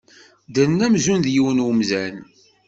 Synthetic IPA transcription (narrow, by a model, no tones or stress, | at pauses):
d̪ənːæmzunðjiwənwəmzæn